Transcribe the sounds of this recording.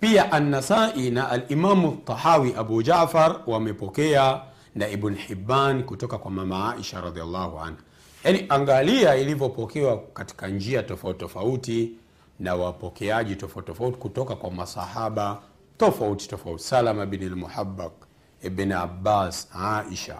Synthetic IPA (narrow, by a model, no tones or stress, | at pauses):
piaʔanːasaʔinaʔalʔimamat̪ˤːɑħawiʔaɓud͡ʒafaɾwamɛpɔkɛa | naibnħibːankutɔkakwamamaaʔiʃaɾɑðialːahua̰nha | janiʔaŋɡaliailivɔpɔkɛwakati̥kand͡ʒiatɔfauttɔfauti | nawapɔkɛaʄitɔfauttɔfauti̥kutɔkakwamasa̰haɓa | tɔfauti̥tɔfauti̥salamaɛbnalmuħabːak̚ | ibna̰basʕaʔiʃa̰